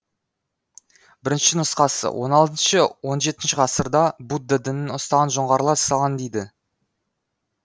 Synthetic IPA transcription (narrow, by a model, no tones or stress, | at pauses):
bɪɾɪnʃɪnʊsqɑsə̰wo̞̰nɑlˠt̪ənʃəwo̞nʒe̞t̪ɪnʃɪʁʰɑsəɾd̪ɑbud̪ːəd̪ɪnɪnʊst̪ɑʁɑnʒoɴʁɑɾlˠɑ̥sɑlˠʁɑnd̪ejd̪ɪ